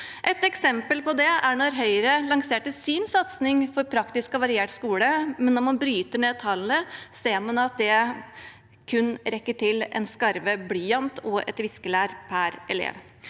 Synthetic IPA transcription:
ʔɛt̪ɛksɛmpəlpɔd̪ɛæɳɔɾɦœʏɾəlɑŋseːʈəsɪnsɑt̪snɪŋfɔɾpʰɾɑkt̪ɪskɔʋɑɾɪeːʈskuːləmɛnːɔɾmɑnbɾyːt̪əɳeːt̪ʰɑlnəseːɾmɑnɑt̪̚d̪ɛ | kʰʉnːɾɛkːəʈʰɪlɛ̰nskɑɾʋəbliːɑnt̪ɔʔɛ̰t̪ʋɪskəlæːɾpʰæɾʔɛlḛːʋ

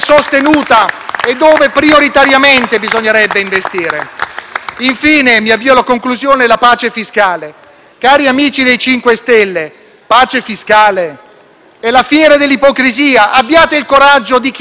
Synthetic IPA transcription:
sost̪enuːt̪aed̪ːoːvepɾioɾit̪aɾjament̪ebizoɲːeɾɛbːeiɱvest̪iːɾe | iɱfiːnemiavːiːolakoŋkluzjoːnelapaːt͡ʃefiskaːle | kaːɾiamiːt͡ʃid̪ejt͡ʃiŋkwest̪ɛlːe | paːt͡ʃefiskaːle | ɛlafjɛːɾad̪elːipɔkɾiziːaʔabːjaːt̪eilkoɾad͡ʒːod̪ik

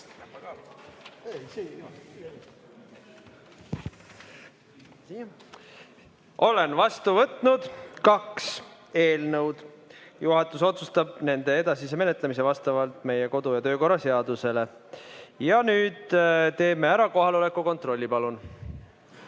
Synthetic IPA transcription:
ʔo̞le̞nvɑst̪uvɤt̪nud̪̥kɑks | e̞ːlnəwd̪̥ | juɦɑt̪ːˑuso̞t̪sust̪ɑb̥̚ne̞nd̪e̞ed̪ɑsis̬e̞me̞ne̞t̪ˑlemise̞vɑst̪ɑvɑlt̪ˑme̞jeko̞d̪ujɑt̪ø̞ːko̞rːɑse̞ɑd̪̥use̞le̞ | jɑnyːd̪̥t̪e̞ːme̞æɾɑko̞ɦɑlo̞le̞kːuko̞nt̪ro̞lʲːipɑlun

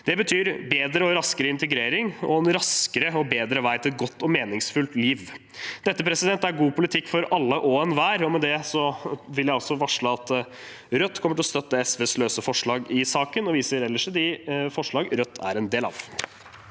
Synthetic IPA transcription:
d̪̥ɛbət̪ʰyːɾbeːd̪ɾəɔɾɑskəɾəɪnt̪əɡɾeːɾɪŋɔ̰ɛnɾɑskəɾəɔbeːd̪ɾəʋæɪt̪ɪlɛt̪̚ɡɔt̪ːɔmeːnɪŋsfʉlt̪liːʋ | d̪ɛt̪ːəpʰɾɛsɪd̪ɛnt̪æɾɡuːpʊlɪt̪ʰɪkːfɔɾʔɑlːəʔoːɛnʋæːɾɔmɛd̪ɛsɔʋɪljæɪɔsɔʋɑʂɭəɑt̪ | ɾœt̪ːkʰɔmːəʈʰɪlɔst̪œt̪ːəɛsʋɛːsløːsəfɔʂɭɑːɡɪsɑːkənɔʋiːsəɾɛlːəʂəd̪ɪfɔʂɭɑːɡɾœt̪ʰːæ̰ɾɛnd̪eːlɑ̰ːʋ

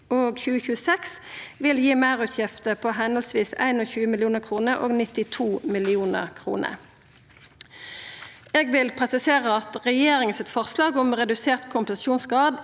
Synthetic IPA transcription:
oːɡçʉːəçʉːəsɛksʋɪljiːmæːʁʉt̪ʰjɪft̪əpʰoːɦɛnəlsʋiːsæ̰ɪnoːçʉːəmɪlɪjuːnəʁkʰʁuːnəʔo̰ːɡnɪt̪ɪt̪ʰuːmɪlɪuːnə̰ʁkʰʁṵːnʔə̰ | eːɡʋɪlpʰʁɛsɪseːʁəɑt̪ʁɛjeːʁɪŋənsɪt̪fɔʁslɑːɡʊmʁɛd̪ʉseːʁt̪kʰʊmpəsuːnsɡʁɑːd̪

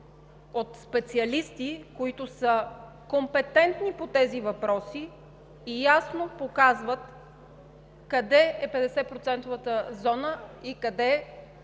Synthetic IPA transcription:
ot̪spɛt̪siɐlist̪ikoit̪ʊsə | kompɛt̪ɛnt̪nipot̪ɛzivɐpɾɔsiː | jasnopokazvət̪ | kɐd̪ɛɛpɛd̪ɛsɛpɾot̪sɛnt̪ovət̪əzɔnəikɐd̪ɛ

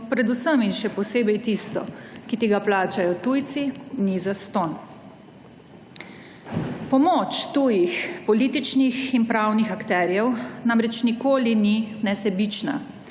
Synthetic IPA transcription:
pɾɛd̪usəminʃɛpɔseːbɛjt̪ist̪ɔ̰kit̪iɡaplaːt͡ʃajɔt̪ujt̪sinizast̪on | pɔmot͡ʃt̪ujixpɔliːt̪it͡ʃnixinpɾaːwnixakt̪ɛːɾjɛwnamɾɛt͡ʃnikoːlininɛsɛbit͡ʃna̰

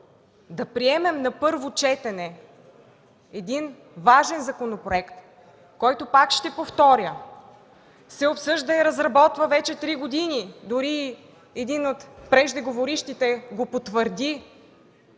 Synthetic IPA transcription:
d̪ɐpɾiɛmɛmnɐpɤɾvot͡ʃɛt̪ɛnɛ | ɛd̪in | vaʒɛnzɐkonopɾoɛkt̪ | kɔjt̪opakʃt̪ɛpoft̪ɔɾʲjə | sɛopsɤʒd̪əiɾɐzɾɐbɔt̪vɐvɛt͡ʃɛt̪ɾiɡod̪inid̪ʊɾiː | ɛd̪inot̪pɾɛʒd̪ɛɡovoɾiʃt̪it̪ɛɡopot̪vəɾd̪i

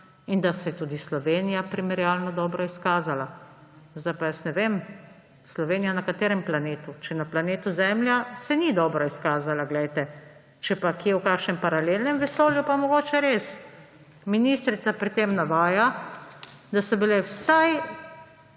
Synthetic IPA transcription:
ind̪asɛjɛt̪ud̪islɔʋeːnijapɾimɛɾjaːlnɔd̪ɔːbɾɔiskaːzala | zd̪ajpajəsnɛʋem | slɔʋeːnijanakat̪eːɾɛmplaneːt̪ut͡ʃɛnaplaneːt̪uzɛmljasɛnid̪ɔːbɾɔiskaːzalaɡlɛjt̪ɛ | t͡ʃɛpakiɛwkaːkʃnɛmpaɾalelnɛmʋɛsoːljupamɔɡoːt͡ʃɛɾes | minist̪ɾit̪sapɾit̪emnaʋaːja | d̪asɔbilɛwsaj

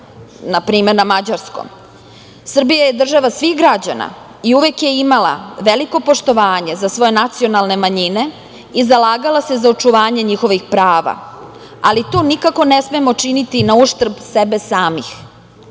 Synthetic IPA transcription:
napɾiːmeɾnamad͡ʑaɾsko̰m | sr̩bijaje̞d̪r̩ʒaʋasʋixɡɾad͡ʑana̰ | iuʋekje̞imala̰ʋeliko̞po̞ʃt̪o̞ʋaːɲezasʋo̞je̞nat̪sio̞nalˠne̞maɲine̞ | izalaːɡalase̞zao̞t͡ʃuʋaːɲe̞ɲixo̞ʋixpɾaːʋa̰ | alit̪oːnikako̞ne̞smemo̞t͡ʂinit̪inauʃt̪r̩bsebe̞saːmḭx

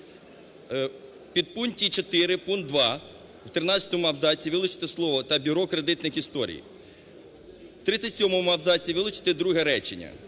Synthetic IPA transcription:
pʲid̪̚puntʲit͡ʃɔt̪ɪɾɪpunt̪̚d̪ʋɑ | wt̪ɾɪnɑt͡sʲɐt̪ɔmʊɐwzɑtʲiʋɪlˠʊt͡ʃɪ̥t̪ɪslˠɔʋɔt̪ɐbʲiɾɔkɾed̪ɪt̪nɪxist̪ɔɾʲḭj | wt̪ɾɪt̪sʲɐtʲsʲɔmɔmʊɐwzɑtʲiʋɪlˠʊt͡ʃɪ̥t̪ɪd̪ɾuɦɛɾɛt͡ʃɪnʲːɐ̰

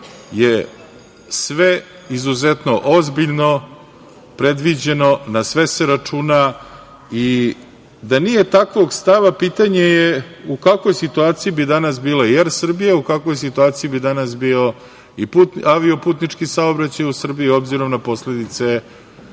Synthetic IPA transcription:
je | sʋe | izuzet̪no̞ʔozbiʎno̞ | pɾe̞d̪ʋid͡ʑeno̞nasʋe̞seɾat͡ʂuːna | i | d̪anije̞t̪akʋo̞ɡst̪aʋapit̪aɲejeukakʋojsit̪uaːt̪siibid̪anasbiːlajeɾsr̩bijaukakʋo̞js̬it̪uaːt̪sijibid̪anas̬biːo | iput̪aʋio̞puːt̪nit͡ʂkisaobɾat͡ɕajusr̩biio̞bziɾo̞mnapo̞sle̞d̪it̪se̞

